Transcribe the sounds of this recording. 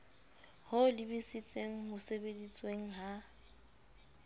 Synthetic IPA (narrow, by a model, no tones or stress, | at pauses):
hʊlɪbisɪt͡sʼeŋ̩ɦʊsebedit͡sʼweŋ̩ɦa